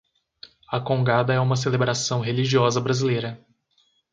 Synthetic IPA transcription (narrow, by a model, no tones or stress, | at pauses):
ɐkõɡad̪ɐɛũmɐs̬elebɾasɐ̃w̃ɦeliʒiɔzɐbɾazilejɾɐ